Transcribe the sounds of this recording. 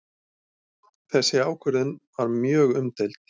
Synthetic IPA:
θɛsːɪaːwkʰʏɾðʏnvaɾmjœːɣʏmt̪ɛlt̪

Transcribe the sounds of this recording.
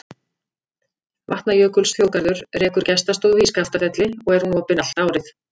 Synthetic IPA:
va̰ht̪najœːkʏlsθjoːwkaɾðʏɾrɛːkʏɾ̥cɛst̪ast̪oːðhiːskaft̪afɛt̪lɪɔɣɛɾ̥hunɔːpɪnal̥t̪aːwɾɪθ

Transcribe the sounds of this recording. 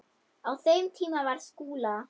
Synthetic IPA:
awθeɥmt̪ʰiːmavaɾ̥skuːla

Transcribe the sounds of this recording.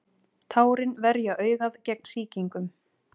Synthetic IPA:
t̪ʰaːwɾɪnvɛɾjaʔœːɥɣaðcɛk̚nsiːciŋkʏm

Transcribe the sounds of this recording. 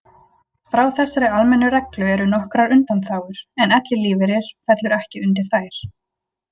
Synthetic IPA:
fɾawθɛsːaɾɪalmɛnːʏɾɛklʏɛɾʏnɔhkɾaɾʏnt̪anθaːwɣʏɾ̥ɛnɛt̪lɪliːvɪɾɪɾ̥fɛt̪lʏɾɛhcɪʏnt̪̬ɪ̥θajɾ̥

